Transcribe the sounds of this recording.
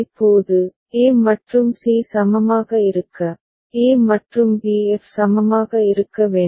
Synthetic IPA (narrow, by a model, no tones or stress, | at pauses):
ɪpːoːðɯ | eːmɐʈrɯmsiːsɐmɐmaːɣɐɪɾɯkːɐ | eːmɐʈrɯmbiɛfsɐmɐmaːɣɐɪɾɯkːɐʋeː